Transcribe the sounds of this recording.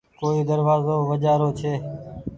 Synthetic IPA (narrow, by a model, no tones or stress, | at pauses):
koːiːd̪əɾʋaːzoːʋəd͡ʒaːɾoːt͡ʃʰeː